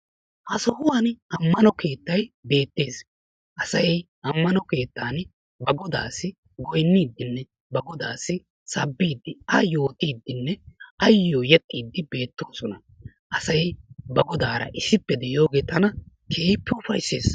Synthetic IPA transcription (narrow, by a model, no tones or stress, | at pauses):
hɐsɔhʊwanɐmːɐnɔke̞ːt̪ːɐjbe̞ːt̪ːe̞ːs | ʔɐsɐj | ʔɐmːɐnɔke̞ːt̪ːaːn | bɐɡɔd̪aːsːɪ | ɡɔjnːiːd̪ːɪnːɛ | bɐɡɔd̪aːsːɪ | sɐbːiːd̪ːɪɐjo̞ːt̪iːd̪ːɪnːɛɐjːoːjɛt̪ʼːiːd̪ːɪbe̞ːt̪ːo̞ːsɔnɐ | ʔɐsɐjbɐɡɔd̪aːɾɐ̰ʔɪsɪpːɛd̪ɛʔjo̞ːɡe̞ːt̪ɐnɐ | kʰe̞ːpːɛʊfɐ̰jsːḛːs